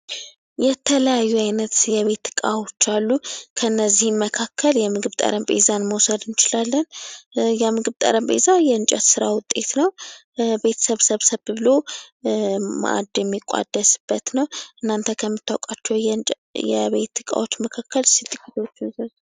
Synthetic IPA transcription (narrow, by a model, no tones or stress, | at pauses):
jɛt̪ʰələjajːuajnət̪jɛβe̞t̪ːɨ̥kʼa̰wo̞t͡ʃːalːukʰənːəzːihɨmməkʰakʰːəljɛmɨɡɨβt̪ʼə̰ɾəmbʼḛzanməwsəd̪ɨnt͡ʃɪlalːənjɛmɨɡɨβt̪ʼə̰ɾəmbʼḛzajɛɨnt͡ʃʼɛt̪sɨɾa̰wʊt̪ʼːe̞t̪nəw | be̞t̪ʰə̥səβsəβsəβɨβɨlo | ma̰ʔa̰d̪jɛmːikʷʼa̰d̪ːəsɨb̥ːət̪nəwʔɨnːant̪ʰəkʰəmːɨt̪ʰːawkʼat͡ʃːɛwʼ | jɛ̰βe̞t̪ːɨkʼa̰wo̞t͡ʃːməkʰakʰːəlsit̪ʼːɨkʼːit̪ʰo̞t͡ʃːɪnsz